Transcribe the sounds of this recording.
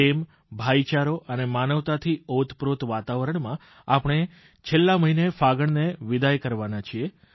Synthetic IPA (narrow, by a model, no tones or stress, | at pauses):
em | bʱait͡ʃaɾoʔənemanəʋt̪at̪ʰiot̪pɾot̪ʋat̪aʋəɾəɳ̃mã | apɽ̃e | t͡ʃʰelːaməɦinefaɡəɳneʋid̪ajkəɾʋanat͡ʃʰie